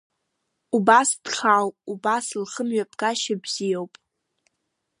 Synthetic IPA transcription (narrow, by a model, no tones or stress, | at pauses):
ubasd̥χawpʼubaslχəmɥapʰʼɡaʃabz̥ijowpʼ